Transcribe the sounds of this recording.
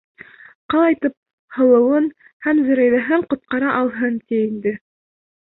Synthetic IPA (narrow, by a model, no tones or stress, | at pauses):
qɑlˠɑjt̪ɤp̚ | hɤ̆lˠɤ̆wɤn | hæmzɘ̆ɾæjðæɦɘɴqŏt̪̚qɑɾɑʔɑlˠɦɤnt̪iind̪ɘ